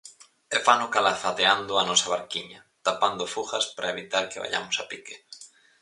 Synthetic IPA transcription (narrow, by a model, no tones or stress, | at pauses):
efanʊkalaθat̪eand̪ʊanɔsɐβaɾkiɲɐ | t̪apand̪ʊfuxɐspaɾʔaeβit̪aɾkeβa̰ʎa̰mʊsapike